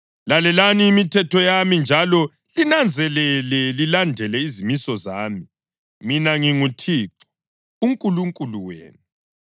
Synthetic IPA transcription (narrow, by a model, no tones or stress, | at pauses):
lalɛlaniːmitʰɛtɔjamind͡ʒʱalɔ | linand͡zʱɛlɛlɛlilandʱɛlɛizimisɔzaːmi | minaŋiŋutʰiːǁɔ̥ | uŋkʼuluŋkʼuluwḛːnu